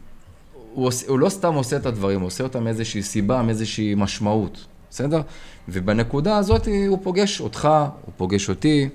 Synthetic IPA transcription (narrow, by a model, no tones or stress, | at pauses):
uosulo̞st̪amo̞se̞ːt̪ad̪vaʁimuoseo̞t̪amezeʃiːsibameezeʃiːmaʃmaut̪ | ese̞de̞ʁvebene̞kudaːzo̞t̪iupo̞ɡe̞ʃo̞t̪χaṵpo̞ɡe̞ʃo̞t̪i